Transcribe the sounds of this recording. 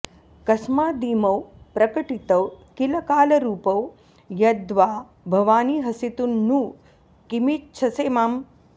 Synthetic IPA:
kɐsmaːd̪iːmɐwpɾɐkɐʈit̪ɐwkilɐkaːlɐɾuːpɐw | jɐd̪ʋaː | bʱɐʋaːniːɦɐsit̪unːu | kimitt͡ʃʰɐseːmam

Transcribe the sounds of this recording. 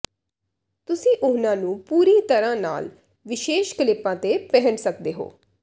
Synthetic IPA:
t̪ʊsĩːʔʊnãːnũːpuːɾiːt̪əɾãːna̰ːl | ʋɪʃeːʃkɪlɪpãːt̪eːpɛɦənsəkd̪eːɦo̰ː

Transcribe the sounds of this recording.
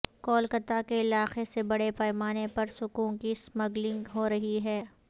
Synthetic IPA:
kɔːlkɐt̪akeɪlaːxesebɐɽepɛːmaːnepɐɾsʊkũːnkismɐɡlɪ̃ŋɡɦoɾɐɦiɦɛː

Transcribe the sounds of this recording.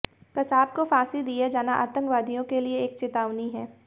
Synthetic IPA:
kɐsaːb̚kofaːsid̪ijad͡ʒaːnaʔa̰ːt̪ə̃ŋkʋaːd̪ijõkelieeːk̚t͡ʃɪt̪aːʋniɦɛː

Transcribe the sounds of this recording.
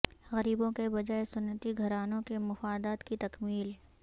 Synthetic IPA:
ɣɐɾiːbõkebɐd͡ʒaːesʊnːət̪iɡʱɐɾaːnõkemʊfaːd̪aːt̪kit̪ɐkmiːl

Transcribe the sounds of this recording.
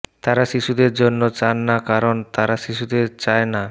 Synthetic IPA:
t̪aɾaʃiʃud̪eɾd͡ʑonːot͡ɕanːakaɾont̪aɾaʃiʃud̪eɾt͡ɕaena

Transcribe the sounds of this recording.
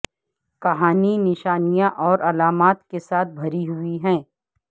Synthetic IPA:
kɐɦaːninɪʃaːnijãʔɔːɾʔɐlaːmaːt̪kesaːt̪̚ʰbʱɐɾiɦʊiɦɛ̃ː

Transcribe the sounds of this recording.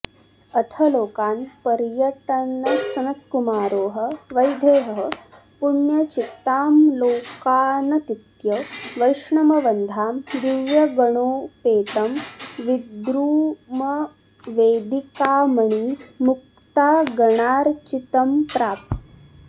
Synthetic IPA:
ɐt̪ʰɐloːkaːnpɐɾjɐʈɐnɐsɐnɐt̪̚kumaːɾoːɦə̆ʋɐjd̪ʱeːɦɐɦə | puɳjɐt͡ʃit̪ːaːmloːkaːnɐt̪it̪jɐʋɐjʂɳɐmɐʋɐnd̪ʱaːmd̪iʋjɐɡɐɳ̃oːpeːt̪ɐmʋid̪ɾuːmɐ | ʋeːd̪ikaːmɐɳ̃imuk̚ | t̪aːɡɐɳaːɾt͡ʃit̪ɐmpɾaːp̚t̪

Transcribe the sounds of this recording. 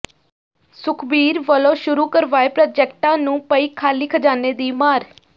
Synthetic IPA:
sʊkʰbiːɾʋəlõːʃʊɾuːkəɾʋaːepɾaːd͡ʒɛːk̚ʈãːnũːpəiːkʰaːliːkʰəd͡ʒaːneːd̪iːmaːɾ

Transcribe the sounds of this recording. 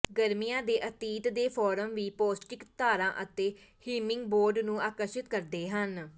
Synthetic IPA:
ɡəɾmijãːd̪eːʔət̪iːt̪d̪eːpʰɔːɾəmʋiːpoːsʈɪkt̪aːɾãːʔət̪eː | hiːmɪŋɡboːɾɖnũːʔaːkəɾʃɪt̪kəɾd̪eːɦən

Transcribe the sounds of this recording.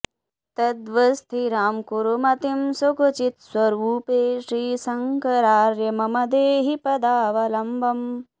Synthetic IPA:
t̪ɐd̪ʋɐst̪ʰiɾaːmkuɾumɐt̪imsokut͡ʃit̪swɐɾuːpeːʃɾiːsɐŋkɐɾaːɾjɐmɐmɐd̪eːɦipɐd̪aːʋɐlɐmbʱɐm

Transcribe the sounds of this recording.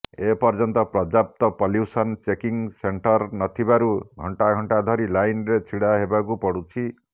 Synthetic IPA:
epɔɾd͡ʒɔnt̪ɔpɾɔd͡ʒap̚t̪ɔpɔljusɔnt͡ʃekiŋseɳʈɔɾnɔt̪ʰibaɾuɡʱɔɳʈaɡʱɔɳʈad̪ʱɔɾilajnɾet͡ʃʰiɽaɦebak̬upɔɽut͡ʃʰi

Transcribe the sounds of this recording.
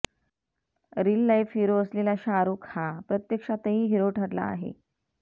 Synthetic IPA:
ɾilːajfɦiɾoəslelaɕaɾuːkhapɾət̪jəkʂat̪əɦĩːɦiɾoʈʰəɾla̰ːɦḛ

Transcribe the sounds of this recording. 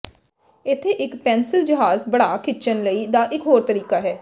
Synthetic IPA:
ɪt̪ʰːeːʔɪkpɛ̃ːnsɪld͡ʒəɦaːzbəɽaːkʰɪt͡ʃənləiːd̪aːʔɪkɦoːɾt̪əɾiːkaːɦɛː

